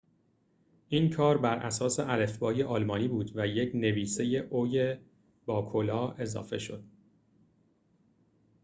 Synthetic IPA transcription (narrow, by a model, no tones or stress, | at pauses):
ʔiːnkʰɒːɾbæɾʔæ̰sɒːseʔælefbɒːje̞ʔɒːlmɒːniːbuːd̪væjecʰne̞viːse̞je̞ʔoje | bɒːkʰolɒːe̞zɒ̰ːfe̞ʃo̞̰d̪̥̚